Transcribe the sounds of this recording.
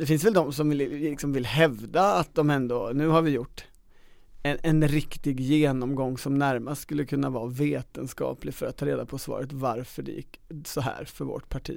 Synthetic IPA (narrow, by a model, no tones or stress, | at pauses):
d̪ɛfɪnsvɛld̪ɔmsɔmvɪlɪksɔmvɪlɦɛvd̪aːt̪̚d̪ɔmɛnd̪onʉ̟ːɦaɾvɪjʊʈː | ɛɛnɾɪkt̪ɪɡjeːnɔmɡɔŋːsɔmnæɾmast̪skɵlːəkʰɵn̪ːavɑːveːt̪ənskɑ̰ːplɪfœɾat̪ʰːɑːɾeːd̪apʰɔsvɑ̰ːɾət̪vaɾfœɖɛ̰jɪ̰kːsɔɦæ̰ːɾfœɾvɔ̰ʈpʰaʈʰḭː